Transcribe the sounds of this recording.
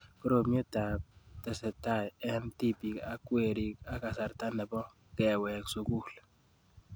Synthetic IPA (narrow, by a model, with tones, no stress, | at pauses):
kɔ˦ɾo˨mjo˦ta˨p̚tɛ˨sɛ˨ta˦˨jɛ˦nti˦pi˨ka˦kwe˦˨ɾi˦ka˦ka˨sa˨ɾta˦nɛ˨bɔ˦ | kɛ˨wɛ˨ksu˨ku˦˨l